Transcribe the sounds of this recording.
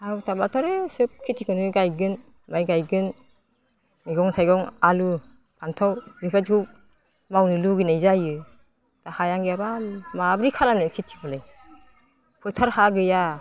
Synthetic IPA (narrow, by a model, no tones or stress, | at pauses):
atʰabatʰɔɾɯsɯp̚kʰitikʰɯnɯɡajɡɯn | majɡajɡɯn | miɡɔŋtʰajɡɔŋalu | pʰantʰɔwɡɯpʰad͡ʒkʰu | mawnɯluɡɯnajzajɯ | tahajaŋɡiabamabɾikʰalanɯkʰit͡ʃi̥bɔlaj | pʰɯtʰaɾhaɡɯja